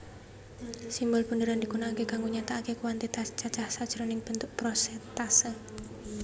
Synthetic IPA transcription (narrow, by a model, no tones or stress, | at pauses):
simbʊlb̥əndəɾand̪ikunaːkekaŋɡuɲat̪aːkekuwant̪et̪at͡ʃat͡ʃahsad̥ʒ̥ɾonɪŋb̥ənt̪ʊʔ̚pɾosɛt̪asə